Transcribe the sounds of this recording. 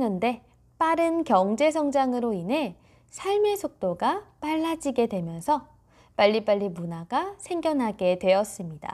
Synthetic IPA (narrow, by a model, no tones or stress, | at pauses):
nʌnde̞ | p͈aɾɯnkjʌŋd͡ʑe̞s̬ʰʌŋd͡ʑaŋɯɾoinɦe̞ | sʰaɭme̞sʰok̚t͈oɡap͈aɭːad͡ʑiɡe̞dwe̞mjʌnsʰʌ | p͈aʎːip͈aʎːimunaɡasʰe̞ŋɡjʌnɦaɡe̞dwe̞ʌs͈ɯmɲida̰